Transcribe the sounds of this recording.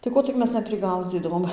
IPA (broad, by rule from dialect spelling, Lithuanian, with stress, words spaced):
tɐɪ ˈkoː t͡sʲɪk ˈmʲɛs nʲɛpʲrʲɪˈɡɐʊd͡zʲiːdɐʋoːm